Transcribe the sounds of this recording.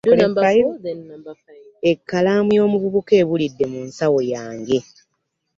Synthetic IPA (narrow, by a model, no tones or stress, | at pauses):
ajo | ekːalaːmujo̞ːmuβuβuke̞ːβulidːe̞muːnsawo̞jaːŋɡe̞